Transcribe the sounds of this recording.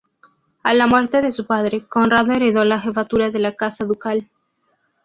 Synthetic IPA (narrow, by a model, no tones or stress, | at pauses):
alamwe̞ɾt̪e̞ðe̞supað̞ɾe̞ko̞nraðoeɾeðo̞laxe̞fat̪uɾaðe̞lakasaðukal